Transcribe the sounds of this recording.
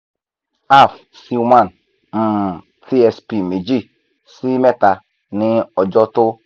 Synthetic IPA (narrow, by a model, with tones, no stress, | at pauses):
a˦˨f | si˦mã˦˨n | m̩˦˨ | ti˦ɛ˧spi˨me˨d͡ʒi˦˨ | si˦mɛ˦ta˨ | nɪ˦ɔ˨d͡ʒɔ˦tʊ˦